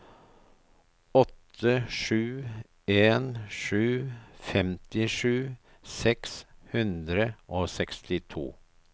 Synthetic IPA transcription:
ɔt̪ʰːəʂʉː | eːnʂʉːfɛmt̪ɪʂʉː | sɛkshʉnd̪ɾəʔoːsɛkst̪ɪt̪ʰṵː

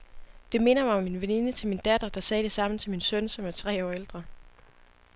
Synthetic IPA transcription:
d̥e̝me̝nɐmɑ̈ɒ̽mːinʋeninət͡sʰe̝lmind̥ɛd̥ɐd̥ɑ̈sɛːd̥e̝sɑ̈m̰n̩t͡sʰelminsønsɒ̽mæɐt͡sʰʁɛ̰ːɒ̰ːeld̥ʁɐ

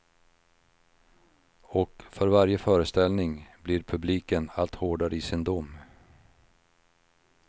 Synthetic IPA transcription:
ɔkfœɾvaɾjəfœːɾəst̪ɛlnɪŋblɪɾpʰɵbliːkənalt̪hoːɖaɾəɪsɪnd̪ʊmː

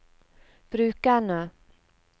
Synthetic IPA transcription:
b̥ɾʉ̟ːkaɳə

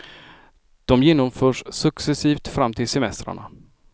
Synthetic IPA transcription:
d̪̥ɔmjeːnːɔmfœːʂsɵksɛsiːft̪fɾamːt̪ʰɪlsɛmɛst̪ɾa̰ɳa̰

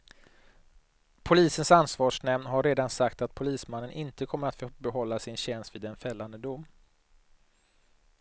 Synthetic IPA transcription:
pʰʊliːsənsansvɑːʂɳɛmnɦaɾeːd̪ansakt̪at̪̚pʰʊliːsmanːənʔɪnt̪əkʰɔmːəɾat̪fbɛɦɔlːasɪnɕɛnst̪vɪːd̪ɛnfɛlːand̪əd̪ʊmː

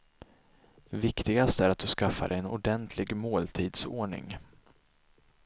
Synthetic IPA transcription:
vɪkt̪ɪɡast̪æɾat̪̚d̪ɵskafːa̰d̪ɛjɛnʊɖɛnt̪ʰlɪɡmoːlt̪ʰiːd̪soːɳɪ̰ŋ

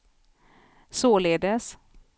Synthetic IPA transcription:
soːleːd̪əs

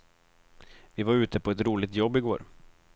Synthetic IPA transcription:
vɪvaɾʉ̟ːt̪ʰəpʰɔɛt̪ɾuːlɪt̪jɔbːɪɡo̰ːɾ

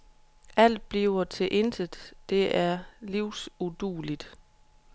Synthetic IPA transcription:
æl̰d̥̚b̥liʊɐt͡sʰe̝ʔe̝nd̥əð̥ˠd̥e̝æɐliʊsud̥uːlid̥

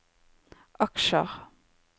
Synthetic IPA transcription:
ʔɑkʃəʁ

